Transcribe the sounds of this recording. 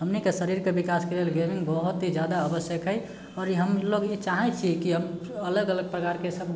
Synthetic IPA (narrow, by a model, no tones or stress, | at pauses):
ɦəmnikesəɾiɾkebikaskelelɡemĩŋɡbəɦut̪ɦid͡ʒjad̪aəbəsjəkɦəj | ɔːɾɦəmloɡit͡ʃaɦɛt͡ʃʰikiɦəm | ələɡələɡ̚pɾəkaɾkesəb̚